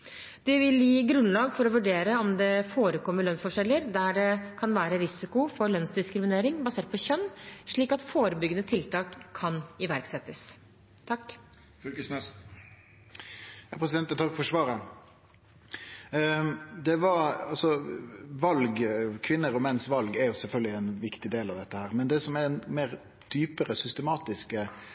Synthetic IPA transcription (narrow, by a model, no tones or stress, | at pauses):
d̪̥ɪʋɪljiːɡɾʉnlɑːɡfɔɾɔʋʉɖeːɾəɔmd̪ɛfoːɾəkʰɔmːəɾɭœnsfɔʂɛlːəɾd̪æɖɛkʰɑnʋæːɾəɾɪsɪkʊfɔɾlœnsd̪ɪskɾɪmɪneːɾɪŋbɑseːʈ̪̚pʰɔçœnːʂɭiːkɑt̪foːɾəbʏɡːənət̪ʰɪlt̪ʰɑːkʰːɑnɪʋæɾksɛt̪ːəs | t̪ʰɑkː | s | jɑpʰɾɛsɪd̪ɛnt̪ət̪ʰɑkfɔʂʋɑːɾə | d̪ɛʋɑɑlsɔʋɑlɡkʰʋɪnːəɾɔmɛnːsʋɑlɡæɾjʊsɛlfœlɡəlɪɛnʋɪkt̪ɪd̪eːlɑʋd̪ɛt̪ːəhæːʁmɛnd̪ɛsɔmɛɛnmeːɾ | d̪̥yːpəɾəsʏst̪əmɑːt̪ɪskə